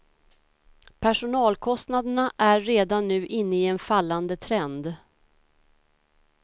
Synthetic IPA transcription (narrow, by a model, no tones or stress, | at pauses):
pʰæʂʊnɑːlkʰɔst̪nad̪əɳaʔæːeːd̪anːʉ̟ːʔɪnːəɪɛnfalːand̪ət̪ʰɾɛnd̪